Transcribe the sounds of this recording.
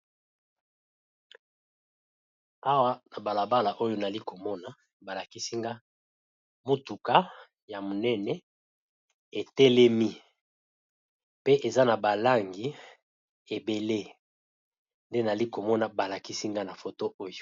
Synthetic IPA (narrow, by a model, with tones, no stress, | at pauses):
a˦wa˦na˨ba˨la˨ba˦la˨ʔo˦jo˦na˨li˦ko˨mɔ˦na˨ | ba˨la˨ki˦si˦ŋɡa˦ | mo˦tu˨ka˦ | ja˨mo˨nɛ˦nɛ˦ | e˨tɛ˦lɛ˦mi˦ | pe˦ʔe˨za˦na˨ba˨la˦ŋɡi˨ | e˨be˨le˦ | nde˦na˨li˦ko˨mɔ˦na˨ba˨la˨ki˦si˦ŋɡa˦na˨fo˨to˦ʔo˦jo˨